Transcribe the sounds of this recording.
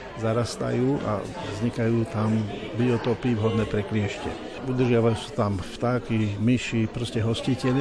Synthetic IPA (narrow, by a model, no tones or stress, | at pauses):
zaɾast̪a̰juːʔa̰ | vzɲikajuːt̪ambiɔt̪ɔpiːʋɦɔd̪nɛːpɾɛklɪɛʃcɛ̰ | ud̪r̩ʒɪaʋajuːsu̥t̪amft̪aːkimiʃipɾɔscɛɦɔscicɛl